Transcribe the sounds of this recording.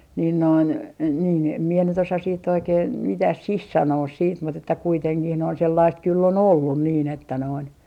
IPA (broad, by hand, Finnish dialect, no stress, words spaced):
nin noin niː em mie nyt osɑs siːtː oikeːn mitæ sih sɑnoːs siːt mut etːæ kuiteŋkih noin selːɑist kylː ol olːun niːn etːæ noin